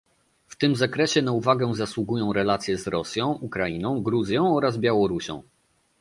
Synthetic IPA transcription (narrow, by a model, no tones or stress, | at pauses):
ft̪ɘmzakɾɛɕɛn̪auvaɡɛ̃zaswuɡujɔ̃w̃ɾɛlat̪sʲjɛzɾɔsʲjɔ̃w̃ʔukɾainɔ̃w̃ɡɾuzʲjɔ̃w̃ɔɾazbʲjawɔɾuɕɔ̰̃w̃